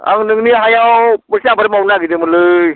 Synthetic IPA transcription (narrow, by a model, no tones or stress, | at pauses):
a̰ŋnɯŋniɦajawpɯsiabaɾamawnaɡidemɯlɯj